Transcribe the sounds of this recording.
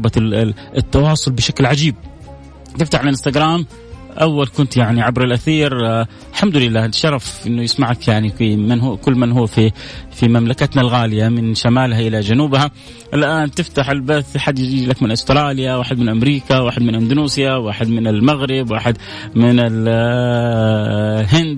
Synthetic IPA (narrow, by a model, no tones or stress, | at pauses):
ba | ɪt̪ːɑwɑːsˤʊlbɪʃaklʕad͡ʒiːb̚ | t̪ɪft̪aħʕlɪɪnst̪aɡɾˤaːm | ʔawːalkʊnt̪jaʕniʕabɾɪlʔaθiːɾ | lħamd̪ʊlɪlːaːt̪ʃɑɾˤɑfʔɪnːʊjɪsmaʕakjaʕnifimɪnhkʊlːmanɦʊːfifimamlakat̪nalɣaːlɪjamɪnʃamaːlhaʔɪlad͡ʒanuːbha | ʔɪlʔaːnt̪ɪft̪aħalbaθħad̪ːjɪd͡ʒiːlakmɪnʔʊst̪ɾˤɑːlɪjawaːħɪd̪mɪnʔamɾiːkawaːħɪd̪mɪnʔɪnd̪ʊnuːsjawaːħɪd̪mɪnɪlmaɣɾɪbwaːħɪd̪ | mɪnɪl | ɦɪnd̪